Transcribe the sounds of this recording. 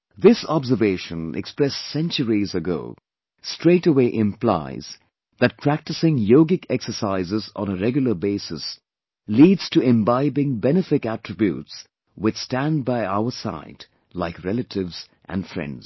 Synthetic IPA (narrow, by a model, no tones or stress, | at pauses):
ðɪsɑbzəveɪʃə̃nɛ̰kspɹɛstsɛ̃nt͡ʃəɹizəɡo̰ʊ | stɹ̥eɪtəweɪʔɪ̃mpla̰ɪz | ðɨt̚pʰɹ̥æk̚tɨsɪ̃ŋjoʊɡɪkʰɛksə˞saɪzɪzɔ̰̃nəɹɛɡjl̩ˠəbeɪsɨs | liːdz̥tʰɨɪ̃mbaɪbɪ̃ŋbɛnɨfɪkætɹɨbjṵts | wɪt͡ʃstæ̃nd̚baɪaʊəsa̰ɪd | laɪkɹɛlətʰɪvz̥ | ʔæ̰̃nfɹɛ̰̃ndz̥